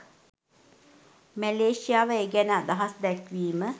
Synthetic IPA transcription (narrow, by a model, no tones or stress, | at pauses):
mɛleʃiaːʋəeɡɛnad̪aɦasd̪ɛkʋiːmə